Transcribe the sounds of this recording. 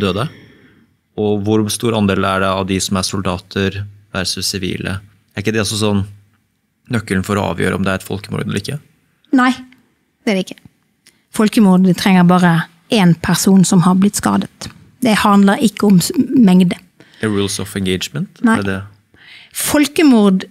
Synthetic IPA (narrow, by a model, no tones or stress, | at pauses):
d̪øːd̪ə | ɔʋʊɾst̪uːɾɑnd̪eːlæɖɛɑʋd̪ɪsɔmæsʊld̪ɑːt̪ʰəɾʋæɾsʉsɪʋḭːlə̰d̪æɾɪkːəd̪ɛɑsɔs̬ɔnː | nœkːəlnfɔɾɔɑ̰ːʋjø̰ːɾə̰ɔ̰md̪ɛæɾɛt̪fɔ̰lkəmṵːɾd̪əɛl̰ɪkːə | næɪ | d̪̥ɛæd̪ɛɪkːə̥ | fɔlkəmʊːɾd̪t̪ʰɾɛŋːəɾbɑːʁə | ʔeːnpʰæʁsuːnsɔmhɑʁblɪt̪skɑ̰ːd̪ət̪ | d̪ɛhɑnd̪ləɾɪkːəʊmmɛŋd̪ə | ɹuːlsɔ̰fɛŋɡeɪd͡ʒmənt̪æɪɖɛ | fɔlkəmʊɾd̪